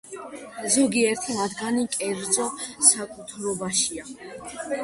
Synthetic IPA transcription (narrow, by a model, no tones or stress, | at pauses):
zɔɡiɛɾt̪ʰimad̪ɡanikʼɛɾd̪zʼɔsakʼut̪ʰɾɔbaʃia